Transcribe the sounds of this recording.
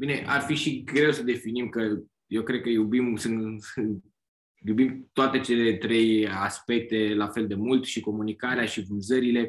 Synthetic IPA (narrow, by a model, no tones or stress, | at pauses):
bine̞ʔa̰rfiʃiɡɾe̞wsəd̪e̞finimkə | jewkɾe̞d̪̚kəjubimsɨn | jubimt̪oat̪e̞t͡ʃe̞le̞t̪ɾe̞jaspe̞k̚t̪e̞lafe̞ld̪e̞mult̪ʃiko̞munikaɾeaʃivɨnzəɾile̞